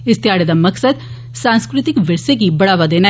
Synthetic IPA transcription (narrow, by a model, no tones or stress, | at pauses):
ɪst̪jaːɽed̪aməksəd̪ | sãːnskɾɪt̪ɪkʋɪɾsek̬ibɐɽaːʋad̪eːna